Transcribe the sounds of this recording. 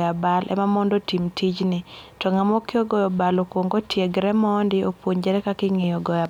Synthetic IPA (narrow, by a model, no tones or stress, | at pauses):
jabalʔɛ̰mamɔndotimtid͡ʒnɪtɔŋamɔkeɔɡɔjɔbalokwoŋɡotjeɡɾɛmɔndɪopwoɲd͡ʒɛɾɛkakɪŋɪjɔɡɔja